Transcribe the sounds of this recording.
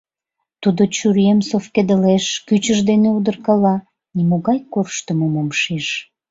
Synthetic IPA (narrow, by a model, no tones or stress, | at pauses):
t̪ud̪ot͡ɕyɾjemsofked̪əleʃkyt͡ɕəʒd̪eneud̪ərkɑlɑ | nimoɣɑjkorʃt̪əmomomʃeʃ